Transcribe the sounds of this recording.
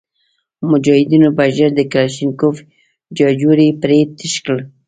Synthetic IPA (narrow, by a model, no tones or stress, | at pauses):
mʊd͡ʒɑhɪd̪inobaʒəɾd̪əkalaʃinkof | d͡ʒɑd͡ʒuɾipɾet̪əʃkəl